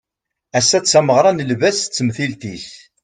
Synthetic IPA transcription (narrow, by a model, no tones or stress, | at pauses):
æsːæt͡sːæməʁɾˤɑnəlvæst͡sːmθilt̪is